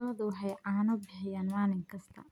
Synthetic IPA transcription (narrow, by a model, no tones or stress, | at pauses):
lɐðʊwħɛjʕaːnɔbɪħɪjaːnmaːlɪŋkʰɐst̪ʰɐ̰